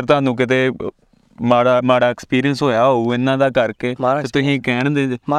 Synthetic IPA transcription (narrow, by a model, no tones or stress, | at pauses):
ɾt̪ʊãːnũːk̬ɪt̪̬eː | maːɽaːmaːɽaːɛkspiːɾiənsɦoːjaːɦouːɪnːãːd̪aːkəɾkeːeːt̪ʊsĩːkɛːɳd̪eː